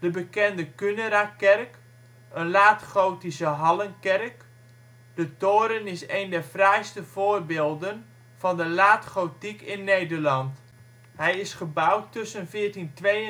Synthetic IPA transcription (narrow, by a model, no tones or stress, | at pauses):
d̥əbəkɛndəkønəɾakɛrk | ənlaːtχoːtisəɦɑlənkɛrk | d̥ətoːɾənɪsejndɛɹfrɛjstəv̥oːrbeːlˠdən | fɑndəlaːtχowtikɪnːejdərlɑnt | hɛjɪsχəbawtːɵsənfɪːrtintʋe